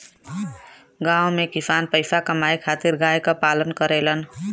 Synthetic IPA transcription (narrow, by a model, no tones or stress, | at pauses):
ɡãːwmekɪsaːnpəɪsakəmaːekʰaːt̪ɪɾɡaːekapaːlənkəɾeːlən